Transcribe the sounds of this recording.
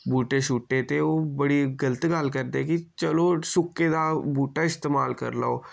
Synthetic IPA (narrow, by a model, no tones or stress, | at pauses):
buːʈeʃuːʈːet̪eoːbəɽiɡələt̪ɡaːlkəɾd̪ekit͡ʃəlosʊkːed̪abuːʈaɪst̪eːma̰ːlkə̰ɾla̰oː